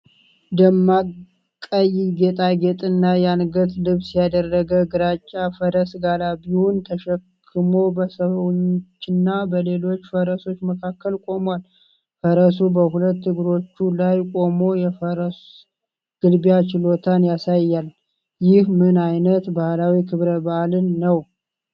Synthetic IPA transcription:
d̪əmːa | kʼːəjɪɡet̪ʼaɡet̪ʼɨnːajɛanɡət̪lɨβsijad̪ərːəɡəɡɨɾat͡ʃʼːafəɾəsɡalaβiwunt̪ʰəʃɛkʰːɨmo̞bəsəβwɲt͡ʃːɨnːabəle̞lo̞t͡ʃːfəɾəso̞t͡ʃːməkʰakːəlkʼo̞mwal | fəɾəs̬ubəhulət̪ːɨɡɨɾo̞t͡ʃːulajkʼo̞mo̞jɛfəɾəs | ɡ̥ɨlbjat͡ʃɪlo̞t̪ʰanjasajːal | jɪhmɨnajnət̪bahlawikʰɨβɾəbaʔlɨnːəw

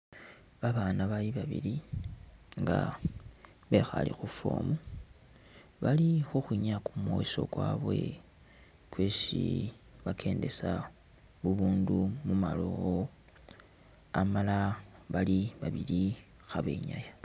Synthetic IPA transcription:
βaβaːnaβaliβaβḭli | ŋɡa | βe̞xa̰lixufo̰ːmu | βalixuxwiɲakumwoso̞̰kwaβwe̞̰ | kwe̞ːsḭ | βakʰe̞ːnde̞sa | βuβuːndumuma̰loɣo | amalaβaliβaβili | xaβe̞̰ːɲaja

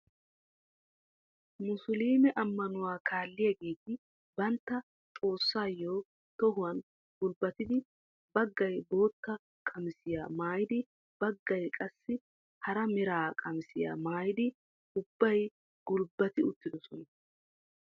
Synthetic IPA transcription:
mʊsʊliːmɛʔɐmːɐnʊwaːkʰaːlːɪjaɡe̞ːt̪ɪ | bɐnt̪ːɐ | t̪ʼo̞ːsːaːjːoː | t̪ɔɦʊwɐn | ɡʊlbɐt̪ɪd̪ɪ | bɐɡːɐjbo̞ːt̪ːɐ | kʼɐmɪsɪja̰ːmaːjɪd̪ɪ | b̥ɐɡːɐjkʼɐsːɪ | hɐɾɐmɛɾaːkʼɐmɪsɪja̰ːmaːjɪd̪ɪ | ʊbːɐj | ɡ̥ʊlbːɐt̪ɪʊt̪ːɪd̪ɔsɔnɐ

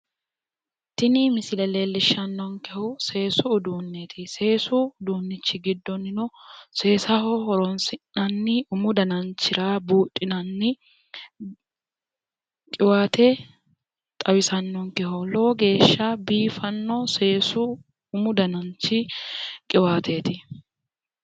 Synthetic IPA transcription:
t̪ɪnɪmɪsɪlɛleːlːɪʃɐnːɔŋkɛhʊse̞ːsʊːd̪uːnːet̪ʰɪse̞ːsʊːd̪uːnːɪt͡ʃːɪɡɪd̪ːɔnːɪnɔse̞ːsɐhɔhɔɾɔnsɪnːɐnːɪʊmʊd̪ɐnɐnt͡ʃːɪɾaːbuːtʼːɪnɐnːɪ | kʼɪwaːt̪ɛ | t̪ʼɐwɪsɐnːɔŋkɛhɔloːɡe̞ːʃːɐbiːfɐnːɔse̞ːsʊ | ʊmʊd̪ɐnɐnt͡ʃɪkʼɪwaːt̪ʰeːt̪ɪ

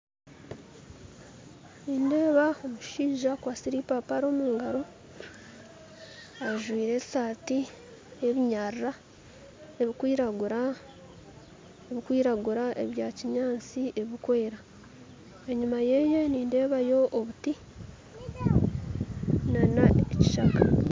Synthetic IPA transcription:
niːnde̞ːβaomuʃiːʒakwaːsiɾipapaɾo̞ːmuːŋɡaɾo̞ | aʒwiːɾe̞saːti | eβiɲarɾa | eβikwiːɾaɡuɾa | eβikwiːɾaɡuɾaʔe̞̰βjaːciɲaːt͡siʔe̞βikwe̞ːɾa | eɲumaje̞je̞niːnde̞ːβajo̞ʔːβuti | nanaeci̥ʃaka

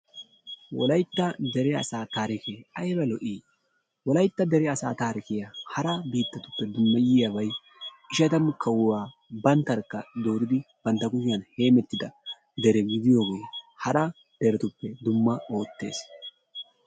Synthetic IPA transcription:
wɔ̰lɐjt̪ːɐd̪ɛɾɛɐ̰saːt̪aːɾɪkeːɐjbɐlɔʔiː | wɔlɐjt̪ːɐd̪ɛɾɛɐsaːt̪aːɾɪkɪjɐhɐɾɐbiːt̪ːɐt̪ʊ̥pːɛd̪ʊmːɐjɪjɐbɐj | ɪʃɐt̪ɐmkʰɐwʊwaː | bɐnt̪ːɐɾkːɐd̪o̞ːɾɪd̪ɪb̥ɐnt̪ːɐkʊjɪjɐnhe̞ːmɛt̪ːɪd̪ɐ | d̪ɛɾɛɡɪd̪ɪjoːɡejhɐɾɐ | d̪̥ɛɾɛt̪ʊpːɛd̪ʊmːɐo̞ːt̪ːe̞̰ːs

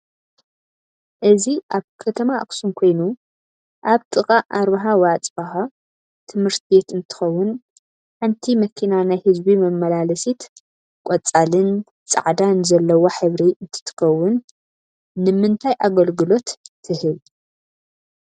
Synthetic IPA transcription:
ʔɨziʔaβkʰɐt̪ʰɐmaʔksumkʰo̞jnu | ʔaβt̪ʼɨkʼaʔːɾβɐɦawat͡sʼbaɦa | t̪ʰɨmhɨɾt̪ʰe̞t̪ɨnt̪ʰɨ̥xɐwːʊn | ħɨnt̪ʰimɐkʰinanajhɨzbimɐmːɐlalɐsit̪ | kʷʼɔt͡sʼalɨn | t͡sʼa̰ʕd̪anzɐlːɐwoħɨβɾiʔɨnt̪ʰɨ̥t̪ʰɨ̥xɐwːʊnː | ɨmɨnt̪ʰajʔaɡɐlɡɨlo̞t̪ʰːɨhɨl

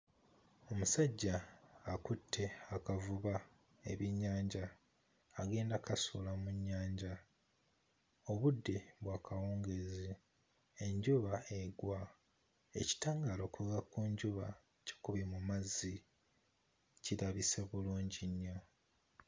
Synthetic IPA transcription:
o̞musaɟːaːkutʰːe̞akavuβa | ḛβiɲːaːɲɟaː | ɡe̞ːndakasuːlamuɲːaːɲɟa | o̞βudːe̞βwaːkawoːŋɡezi | eɲɟuβaeɡwa | ḛci̥taːŋɡaːlo̞ːkuɣakuɲɟuβa | ce̥kuβimumazːi | ciɾaβiseβuluːɲɟiɲːa

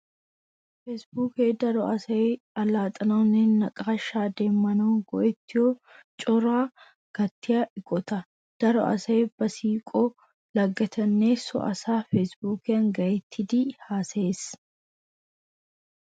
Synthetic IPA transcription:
fɛsbuːkeːd̪ɐɾɔɐsɐe | ɐlaːt̪ʼɐnɐɔnːenːɐkʼaːʃaːd̪e̞ːmːɐnoːŋɡ̥ɔ̰ʔɛt̪ːɪjoːt͡ʃʼɔɾaː | ɡ̥ɐt̪ːɪjaʔɪɡʼɔt̪ɐ | d̪̥ɐɾɔ̰ʔɐ̰sɐeb̥ɐsiːkʼɔː | lɐɡːɐt̪ʰɐnːeːsɔ̰ʔɐ̰saːfɛsbuːkɪɐŋɡɐɛt̪ʰːɪd̪ihaːseːs

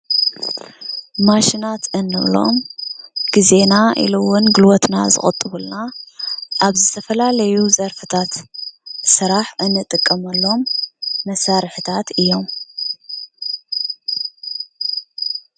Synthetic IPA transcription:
maʃinat̪ɨnːɨβlo̞̰mɡ̥ize̞naʔḭlowʊnɡɨlwot̪na̰zɨ̰χʼɐ̰t̪ʼːɨβulna | ʔaβzɨt̪ʰɐfɐlalɐjuzɐɾfɨt̪ʰat̪ | sɨɾaħʔɨnːɨt̪ʼɨkʼːɐmɐlːo̞mːɐsaɾɨħɨt̪ʰat̪ɨjːo̞m

